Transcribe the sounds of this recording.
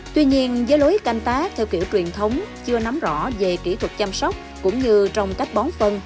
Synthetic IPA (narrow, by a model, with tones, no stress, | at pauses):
t̪wi˧ɲi˧ənzəː˨˦jlo˨˦jka˧jŋ̟t̪aː˦˥k̚t̪ʰɛː˧wkḭ˧˩əwt͡ɕwi˨˩ənt̪ʰə˨˦wŋ͡mt͡ɕɨ˧əna˨˦mzɔ̰˧˩ve˨˩ki˧˩t̪ʰwə˨˩t̚t͡ɕa˧msɔ˦˥wk͡p̚kʊ̰˧˥ŋ͡mɲɨ˧t͡ɕɔ˧wŋ͡mka˦˥k̚ɓɔ˨˦nfə˧n